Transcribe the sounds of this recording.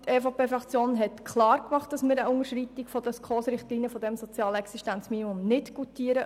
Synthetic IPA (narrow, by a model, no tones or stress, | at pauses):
teːfoːpeːfɾɑkt͡sjoːnɦɛtkχlɑːɾkmɑχt̚d̥ɑsmɪːɾəʔʊŋəɾʃrit̪ːikfɔd̥̪əskʰχoːsɾɪχt̪iːnjəfɔdɛmsɔt͡sjɑːləɛksiʃtænt͡sminimumnɪtkut̪iəɾə